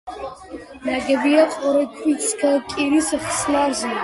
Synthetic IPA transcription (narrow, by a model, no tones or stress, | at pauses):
naɡabijaqʷʼɔɾakʷʰʼit͡sʰʼkʰakʼiɾisaχslarzi